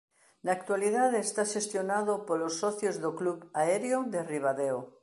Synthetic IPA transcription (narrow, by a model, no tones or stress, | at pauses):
naːk̚t̪waliðaðeːst̪aʃest̪jonaðopolosːɔθjozðokluβaeɾjod̪eriβ̞aðeo